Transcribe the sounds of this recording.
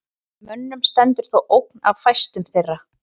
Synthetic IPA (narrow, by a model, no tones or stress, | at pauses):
mʏnːʏmst̪ɛnt̪ʏɾ̥θowʔowk̚na̰vfajst̪ʏmθejrːa